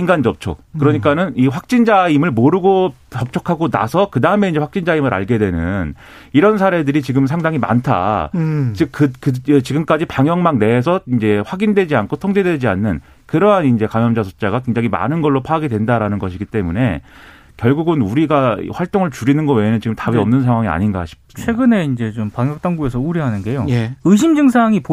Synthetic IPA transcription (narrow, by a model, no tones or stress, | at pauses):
inɡandoʌp̚t͡ɕʰo̰kɯɾʌɲik͈anɯniɸwak̚t͡ɕ͈ind͡ʑaimɯɭmoɾɯɡo | pʌp̚t͡ɕ͈ʰʌkʰaɡona̰sʰʌkɯdaɯme̞ind͡ʑe̞ɸwak̚t͡ɕ͈ind͡ʑaimɯɾa̰ɭɡe̞dwe̞nɯn | iɾʌnsʰaɾe̞dɯɾit͡ɕiɡɯmsʰaŋdaŋima̰ntʰa̰t͡ɕɯk̚ːɯkɯt͡ɕiɡɯmk͈ad͡ʑipaŋjʌŋmaŋne̞ːsʰʌind͡ʑe̞ɸwaɡindwe̞d͡ʑiankʰotʰʌŋd͡ʑe̞dwe̞d͡ʑia̰nːɯn | kɯɾʌɦanind͡ʑe̞kamjʌmd͡ʑasʰot͡ɕ͈aɡak̬we̞ŋd͡ʑaŋima̰nɯnɡʌɭːopʰaɡedwe̞ndaɾanɯnɡʌɕʰiɡit͈e̞mune̞ | kjʌɭɡuɡɯnuɾiɡa̰ɸwaɭt͈oŋɯɭt͡ɕuɾinɯnɡʌwe̞nɯnt͡ɕiɡɯmtabiʌmnɯns̬ʰaŋɦwaŋia̰ɲinɡaɕʰi̥ps͈ɯt͡ɕmiwe̞ɡɯne̞ind͡ʑe̞t͡ɕompaŋjʌk̚t͈aŋɡuesʰʌuɾjʌɦanɯnɡe̞jojeɯɕ̬ʰimd͡ʑɯŋsʰaŋip